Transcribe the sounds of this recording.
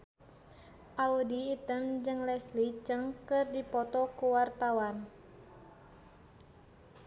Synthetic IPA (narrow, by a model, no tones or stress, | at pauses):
ʔaudiːt̪əmd͡ʒɨŋlɛslit͡ʃəŋkɨrdipɔt̪ɔkuwart̪awan